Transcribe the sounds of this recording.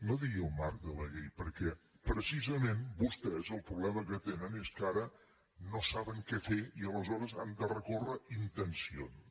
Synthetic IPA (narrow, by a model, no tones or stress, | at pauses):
noðiəlˠmaɾk̚d̪ələʎejpəɾkɛ | pɾəsizəmenbust̪ɛzəlˠpɾuβlɛməkət̪enəneskaɾə | nosaβəŋkɛfeiələzɔɾəzand̪ərəkorəint̪ənsio̰ns